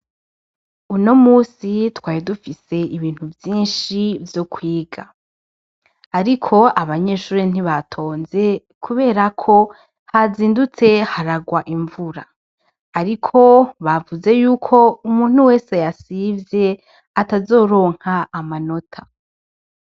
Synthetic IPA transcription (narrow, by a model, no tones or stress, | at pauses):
uno̞muːsitwaːjidufise̞ʔiβiːn̥huvjiːnʃivjo̞kʰwiːɡa | ɾikʰo̞aβaɲe̞ʃuːɾin̥iβatʰo̞ːnze̞ | kʰuβe̞ːɾakʰo̞ | haziːndut͡se̞haɾaɡwaʔiɱvuɾaː | ɾikʰo̞βavuze̞juːkʰo̞umuːn̥huwe̞ːsejasivje̞ | atazo̞ːɾo̞ːŋ̥haːmano̞tʰa